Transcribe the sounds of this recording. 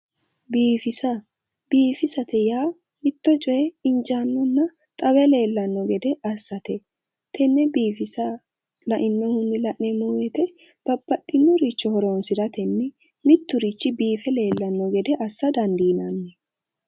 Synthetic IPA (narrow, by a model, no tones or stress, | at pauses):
biːfɪsɐ | biːfɪsɐt̪ɛjaː | mɪt̪ːɔt͡ʃʼɔjɛɪnt͡ʃanːɔnːɐ | t̪ʼɐwɛle̞ːlːɐnːɔɡɛd̪ɛʔɐsːɐt̪ɛ | t̪ʰɛnːɛbiːfɪsɐ | lɐʔɪnːɔhʊnːɪlɐʔnɛmoːwɛt̪ɛ | b̥ɐbːɐt̪ʼːɪnːɔɾit͡ʃːɔhɔɾoːnsɪd̪ɐt̪ɛnːɪ | mɪt̪ːʊɾit͡ʃːɪbiːfɛle̞ːlːɐnːɔɡɛd̪ɛʔɐsːɐd̪ɐnd̪iːnɐnːɛ